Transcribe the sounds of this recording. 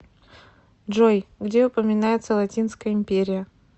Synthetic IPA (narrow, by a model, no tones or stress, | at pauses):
dʐojɡdʲe̞ʊpəmʲɪnajɪt̪səlˠɐtʲinskəjəɪmʲpʲeɾʲɪjə